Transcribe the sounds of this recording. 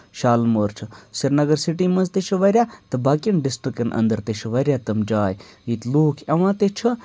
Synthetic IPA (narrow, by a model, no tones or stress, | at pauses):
ʃaːlmoːɾt͡ʃʰɨsiɾnɐɡɐɾsiʈiːmɐnzt̪eʃʰɐʋɐɾʲjaːt̪ɨbaːkinɖɪsʈɾikɐnʔɐ̰̃nd̪ɐɾt̪eʃʰɐʋɐɾʲjaːt̪ɐmd͡ʒaːjit̪loːkʰɐʋãːt̪et͡ʃʰɐ